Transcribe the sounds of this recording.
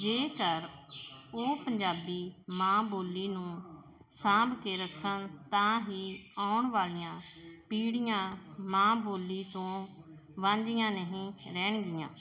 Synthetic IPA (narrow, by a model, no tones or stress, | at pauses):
d͡ʒeːkəɾ | oːpəɲd͡ʒaːbiːmãːboːlːiːnũː | sãːbkeːɾəkʰːənt̪ãːɦiːaːʊɳʋaːlijãːpiːɽijãːmãːboːlːiːt̪õː | ʋãːɲd͡ʒɪjãːneɦĩːɾɛːɳɡɪjãː